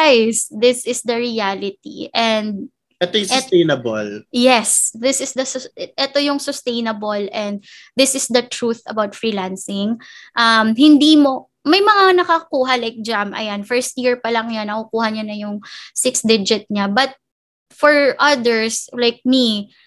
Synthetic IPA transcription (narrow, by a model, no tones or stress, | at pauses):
ajsd̪ɪsɪsd̪ɐɹialɪt̪̚ḭʔɛnd̪̚ | ʔɛt̪ojʊssejnɐboljɛsðɪsɪsd̪ɐsʔɛt̪ojʊŋsʊst̪ejnɐbolʔɛ̃nd̪̚ | ðɪsɪsd̪ɐt̪ɹuθɐbawt̪fɹiːlansɪŋʔɐmhɪnd̪iːmo̞ | mɐjmɐŋanɐkɐkuːɦɐlajk̚d͡ʒamʔɐ̰janfɛɹst̪̚jiɹpɐlɐŋjanːɐkʊkuːhɐɲonɐjʊŋsɪksd̪ɪd͡ʒɪt̪̚ɲabɐt̪̚ | fɔɹʔɐd̪ɛɹslajk̚mi